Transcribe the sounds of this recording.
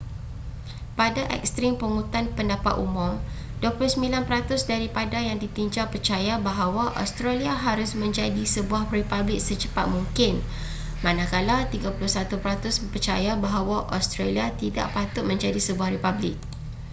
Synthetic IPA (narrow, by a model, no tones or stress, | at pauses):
padaʔɛ̰k̚st̪ɾɪŋpəŋut̪anpəndapa̰t̪ṵmʊ̃m | duapulʊhsəmbilanpəɾat̪ʊsdaɾipadajaŋdit̪iɲd͡ʒapərt͡ʃajabaɦawaʔo̰st̪ɾaliaɦaɾʊsmə̃ɲd͡ʒadisəbuahripablɪk̚sət͡ʃəpat̪̚muŋkɪn | mãnakalat̪iɡapulʊhsat̪upəɾat̪ʊsəpərt͡ʃajabaɦawaʔo̰st̪ɾeliat̪ida̰ʔpat̪ʊt̪̚mə̃ɲd͡ʒadisəbuahripablɪk̚